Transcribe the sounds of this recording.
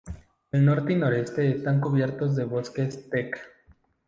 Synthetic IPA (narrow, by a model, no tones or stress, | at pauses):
elno̞ɾt̪eno̞ɾe̞st̪e̞ːst̪aŋkuβje̞ɾt̪o̞zðe̞βo̞ske̞st̪ek